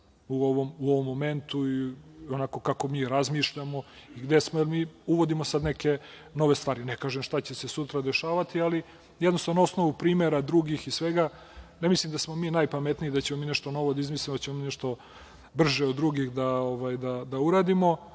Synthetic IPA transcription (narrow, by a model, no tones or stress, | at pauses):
uoʋomuoʋomːo̞me̞nt̪uionako̞kako̞miːɾazmiːʃʎamo̞iɡd̪e̞smojelmiːuʋo̞d̪imo̞sad̪neke̞ | no̞ʋe̞st̪ʋaːɾinekaːʒemʃt̪at͡ɕese̞sut̪ɾad̪e̞ʃaːʋat̪iali | jɛd̪nost̪anoosno̞ʋupɾiːmeɾad̪ɾuːɡixisʋeɡa | nemislimd̪asmo̞miːnajpamet̪niːd̪at͡ɕemomiːnɛʃt̪o̞no̞ʋod̪aizmislʲimod̪at͡ɕemomiːnɛʃt̪o̞ | br̩ʒeod̪dːɾuɡixd̪aoʋajd̪ad̪auɾaːd̪imo̞